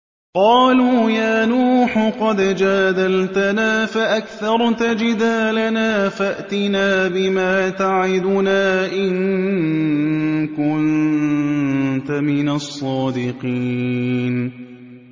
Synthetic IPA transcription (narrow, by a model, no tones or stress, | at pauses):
qɑːluːjaːnuːħʊqɑd̪d͡ʒaːd̪alt̪anaːfaʔakθɑɾˤt̪ad͡ʒɪd̪aːlanaːfaʔt̪ɪnaːbɪmaːt̪aʕɪd̪ʊnaːʔɪŋ | kʊn | t̪amɪnasˤːɑːd̪ɪqiːn